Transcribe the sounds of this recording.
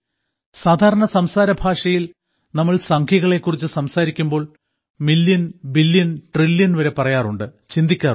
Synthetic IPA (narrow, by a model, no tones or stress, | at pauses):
saːd̪ʱaːɾɐɳɐsɐmsaːɾɐbʱaːʂɐjil | nɐmːɐɭsɐŋkʰjɐɣɐɭe̞kːurit͡ɕːɨsɐmsaːɾikʲːumbo̞ːɭ | milːjɐnbilːjɐnʈrilːjɐnʋɐɾe̞pɐrɐjaːruɳɖɨt͡ɕind̪ikʲːaː